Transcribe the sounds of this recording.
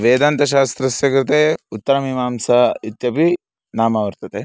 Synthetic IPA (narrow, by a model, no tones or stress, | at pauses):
ʋeːd̪ɐnt̪ɐʃ̬aːst̪ɾɐsjɐkɾɐt̪eut̪ːɐɾɐmiːmaːmsɐit̪jɐpi | naːmɐʋɐɾt̪ɐt̪e